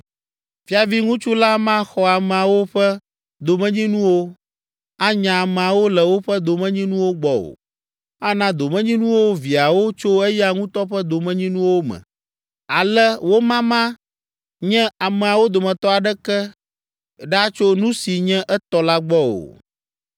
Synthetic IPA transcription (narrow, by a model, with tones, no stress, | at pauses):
fi˦a˨vi˦ŋũ˦t͡ʃu˦la˦mã˦xɔ˦a˨mɛ̃˨a˨wo˦ɸɛ˦ | d̪o˨mɛ̃˦ɲĩ˦nũ˦wo˦ | a˦ɲã˨a˨mɛ˨a˨wo˦lɛ˨wo˦ɸɛ˦d̪o˨mɛ̃˦ɲĩ˦nũ˦wo˦ɡ͡bɔ˨o̰˨ | a˦nã˦d̪o˨mɛ̃˦ɲĩ˦nũ˦wo˦vi˨a˨wo˦t͡ʃo˦ɛ˦ja˦˨ŋũ˦t̪ɔ˦ɸɛ˦d̪o˨mɛ̃˦ɲĩ˦nũ˦wo˦mɛ̰̃˨ | a˨lɛ˦wo˦mã˦mã˦ | ɲɛ̃˦a˨mɛ˨a˨wo˦d̪o˨mɛ̃˨t̪ɔ˦a˨ɖɛ˦kɛ˦ | ɖa˦t͡ʃo˦nũ˦si˨ɲɛ̃˦ʔɛ˦t̪ɔ˦la˦ɡ͡bɔ˦o̰˨